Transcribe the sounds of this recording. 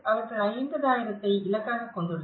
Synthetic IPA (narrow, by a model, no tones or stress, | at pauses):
ʔɐʋɐɾɣɐɭɐɪnd̪ɐðaːjɪɾɐt̪ːɐɪɪlɐkːaːɣɐkːɔɳɖɯɽ